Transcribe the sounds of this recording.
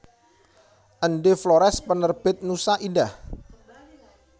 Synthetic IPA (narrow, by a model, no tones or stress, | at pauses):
ʔənɖefloɾɛspənərb̥ɪt̪̚nusaʔindah